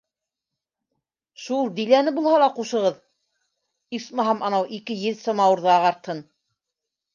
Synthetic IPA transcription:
ʃulˠd̪ijlænɘbulˠhɑlˠɑquʃɤ̆ʁɤð | ismɑɦɑmʔɑnɑwʔikɘjɘðsɤmɑwɤ̆ɾðɤɑʁɑɾt̪hɤn

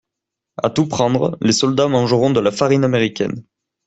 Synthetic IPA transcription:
a̰t̪upχɑ̃d̪ʁəlesɔld̪amɑ̃ʒəʁɔ̃d̪əlafaʁinameʁikʲɛ̰n

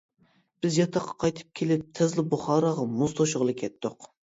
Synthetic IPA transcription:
b̥ɪzjɑt̪ʰɑqʰːɑ̥qʰɑjt̪ʰɨ̥p̚kʲʰelɪp̚t̪ʰɛzlɪbuχɑːɾɑʁɑmuzt̪ʰoʃʊʁəlˠɨkʲʰɛt̪ːʊq

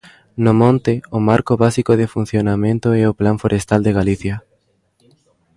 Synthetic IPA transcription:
nʊmõnt̪ɪʊmaɾkoβasikoð̞efun̟θjonamẽnt̪ʊɛoplaɱfoɾʔest̪ald̪eɣaliθjɐ

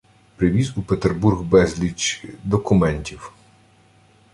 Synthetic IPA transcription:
pɾɪʋʲizupet̪erburɣbɛzʲlʲit͡ʃd̪ɔkʊmɛnʲtʲiw

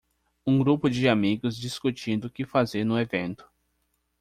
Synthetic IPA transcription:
ũɡɾupʊd͡ʒɪamiɡʊzd͡ʒiskut͡ʃĩnd̪ʊʊkɪfazeɾnʊevẽnt̪ʊ̥

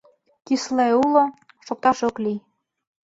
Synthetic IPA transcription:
kisleulo | ʃok̚t̪ɑʃokli

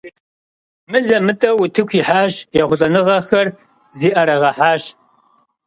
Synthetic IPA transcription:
mɨzɐmɨtʼɐwʊtʰɨkʷʰiːħaːɕjɛʁʷʊɬʼɐnɨʁɐxɐr | ziːʔɐɾɐʁɐħaːɕ

